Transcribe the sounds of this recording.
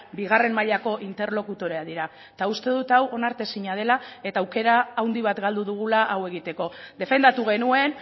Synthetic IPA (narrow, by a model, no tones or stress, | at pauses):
biɣ̞are̞mmaʎako̞ʔint̪e̞ɾlo̞kut̪o̞ɾeaðiɾa | t̪aust̪e̞ð̞ut̪awo̞naɾt̪e̞siɲað̞e̞lae̞t̪aːwke̞ɾaːwnd̪iβat̪ɡald̪uðuɣ̞ulaʔawe̞ɣ̞it̪e̞ko̞d̪e̞fe̞nd̪at̪uɣ̞e̞nue̞n